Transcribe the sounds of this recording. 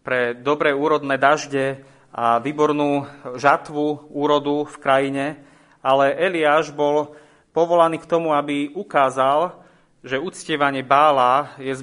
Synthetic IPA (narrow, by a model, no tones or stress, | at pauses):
pɾɛd̪ɔbɾɛːuːɾɔd̪nɛːd̪aʒɟɛ | ʔaʋiːbɔɾnuːʒat̪ʋuuːɾɔd̪ufkɾajiɲɛ | alɛʔɛliaːʒbɔl | pɔʋɔlaniːkt̪ɔmuabiukaːzal | ʒɛut͡scɪɛʋaɲɪɛbaːlaːjɛz